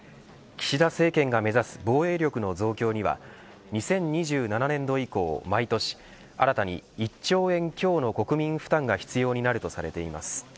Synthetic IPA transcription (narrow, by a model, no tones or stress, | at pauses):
kʲi̥ɕid̪ase̞ːkẽ̞ŋɡame̞zasɨ̥bo̞ːe̞ːɾʲjo̞kɯ̟no̞zo̞ːkʲo̞ːɲ̟iβa̰ | ɲ̟isẽ̞ɲɲːiʑɨːnananẽ̞nd̪o̞iko̞̰ːmait̪o̞ɕi̥ | a̰ɾat̪aɲ̟ḭːt͡ɕo̞ːẽ̞ŋkʲo̞ːno̞ko̞kɯ̟mʲĩɰ̃ɸɯ̥t̪ãŋɡaçi̥t͡sɨjo̞ːɲ̟inaɾɯ̟t̪o̞saɾe̞t̪e̞ima̰sɨ̥